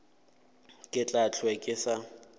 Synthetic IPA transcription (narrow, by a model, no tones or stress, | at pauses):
kʼɪt͡ɬʼat͡ɬʰwɛkʼɪsa